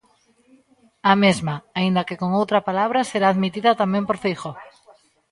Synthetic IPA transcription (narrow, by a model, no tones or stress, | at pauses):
amezmaaind̪ɐkekoŋowt̪ɾɐpalaβ̞ɾaseɾaːðmit̪iðɐt̪amẽmpoɾfejxo